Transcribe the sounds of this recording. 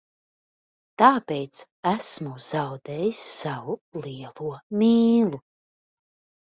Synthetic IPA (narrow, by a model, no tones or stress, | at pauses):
t̪aːpejt̪s | æsmuz̥awd̪ɛːjisːavulˠiɛlˠuɔmʲiːlˠu